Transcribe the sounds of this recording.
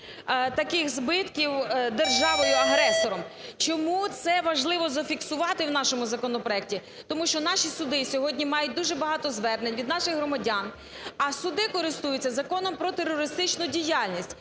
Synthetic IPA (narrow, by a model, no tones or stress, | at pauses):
t̪ɐkɪxzbɪt̪kʲiwd̪erʒɑʋɔjʊɐɦɾɛsɔɾɔmt͡ʃɔmut̪sɛʋɐʒlˠɪʋɔzɐfʲiksʊʋɑt̪ɪwnɑʃɔmʊzɐkɔnɔpɾɔɛk̚tʲi | t̪ɔmuʃt͡ʃɔn̪ɑʃisʊd̪ɪsʲɔɦɔdʲnʲimɑjʊt̚ʲd̪uʒɛbɐɦɑt̪ɔzʋɛrnenʲʋʲid̪nɑʃɪxɦɾɔmɐdʲan | ɐsʊd̪ɪkɔɾɪst̪ujʊt͡sʲːɐzɐkɔnɔmpɾɔt̪erːɔɾɪst̪ɪt͡ʃnʊdʲijɑlʲnʲisʲtʲ